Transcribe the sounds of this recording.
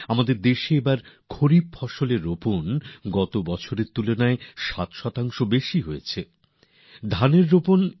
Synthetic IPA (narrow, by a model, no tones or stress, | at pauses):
amad̪eɾd̪eʃeebaɾkʰoɾib̚fɔʃoleɾːoponɡɔt̪obɔt͡ɕʰoɾeɾt̪ulonaeʃat̪ʃɔt̪aŋʃobeʃiɦojet͡ɕʰe | d̪ʱaneɾːopon